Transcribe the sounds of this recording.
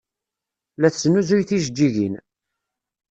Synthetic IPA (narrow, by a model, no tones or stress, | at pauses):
læθsnuzujθiʒd͡ʒːiʝḭn